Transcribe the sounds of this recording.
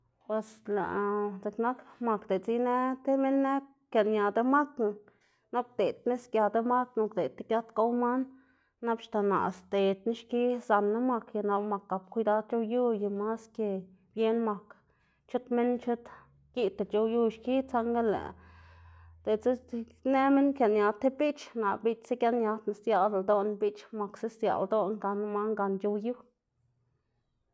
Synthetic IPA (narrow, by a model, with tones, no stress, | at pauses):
pwe˨sla̰˨ʔze˨kna˦kma˧kd̪e˨t͡si˦ne˦t̪e˦me˦nːe˦ | kja˧˨nja˨d̪e˦ma˦t̪na˨ | no˦k̚d̪e˨t̪ne˦skja˨d̪a˦ma˦t̪no˧kd̪e˨t̪ːe˦kja˦t̪ka˦wma˦nː | a˦bʃt̪a˨na̰˨st̪e˨t̪ni˦ʃki˦sa˧nːa˦ma˧kja˧na˧lma˨kːa˨˧p̚kʷi˧˦d̪a˧d̪̚t͡ʃo˧ju˦ja˧ma˦ske˧ | b̥je˦nma˨k | t͡ʃu˦t̪me˦nt͡ʃu˦t̪ | ɡ̥i˦t̪e˨t͡ʃo˧wju˦ʃki˦t͡sa˦ŋɡa˦lḛ˨ʔ | d̪̥e˨t͡se˦ | ne˦me˦nkja˨nja˧t̪ːe˦bi˦t͡ʃna˨bi˦t͡ʃse˦kja˦nja˧t̪na˧˨sja˧˨d̪a˨d̪o˦nbi˦t͡ʃma˨kse˦sja̰˨ld̪o˦nɡa˧na˦ma˦ŋɡa˧nt͡ʃo˧wju˦